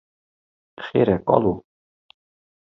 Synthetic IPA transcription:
χeɾɛkɑ̰lu

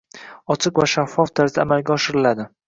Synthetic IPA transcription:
ɒt͡ʃʰɪqvaʃafːɒft̪ʰaɾzd̪aːmalɡʲaɒʃɪɾɪlad̪ɪ

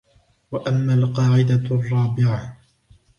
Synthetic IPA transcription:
waʔamːaːlqɑːʕɪd̪arˤːɑːbɪʕa

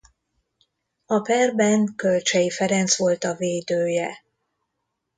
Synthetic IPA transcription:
ɒpɛrbɛŋkølt͡ʃɛjifɛɾɛnt̪sʋo̞lt̪ɒveːd̪øːjɛ

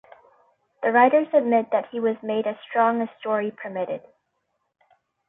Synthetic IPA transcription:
ðɨɹaɪɾə˞zɨd̚mɪt̪̚ðɨt̚hiwʌzmeɪɾɨstɹ̥ɔ̃ŋɨstɔɹipʰə˞mɪɾɪ̰d̥

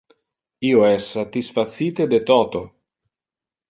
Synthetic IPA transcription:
iːoɛsːat̪isfat̪siːt̪ed̪et̪ɔːt̪o

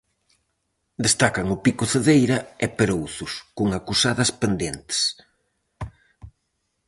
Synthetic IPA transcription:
d̪est̪akɐŋʊpikʊθeðejɾɐɛpeɾowθʊskʊŋakusaðɐspend̪ent̪e̥s

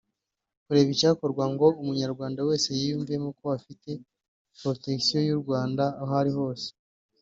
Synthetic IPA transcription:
kuɾe̞ːβicaːko̞ɾɡwaŋɡo̞umuɲaɾɡwaːndawe̞ːse̞jijuɱvije̞mukoafite̞ | pɾo̞te̞ksijo̞juɾɡwaːndaːɦoaɾiɦo̞ːse̥

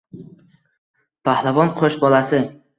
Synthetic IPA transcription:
pʰahlavɒnqʰoʃbɒlasɪ

